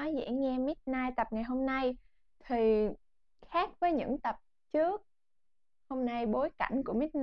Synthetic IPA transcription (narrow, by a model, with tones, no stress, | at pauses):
ɔ˨˦jzɛ̰˧˥ŋɛ˧mi˦˥t̚naː˧jt̪ə˨˩p̚ŋa˨˩jɦo˧mna˧j | t̪ʰi˨˩ | xaː˦˥k̚vəː˨˦jɲɨ̰˧˥ŋt̪ə˨˩p̚ | t͡ɕɨ˦˥ək̚ | ho˧mna˧jɓo˨˦jka̰˧˩jŋ̟ku˧˩əmi˦˥t̚n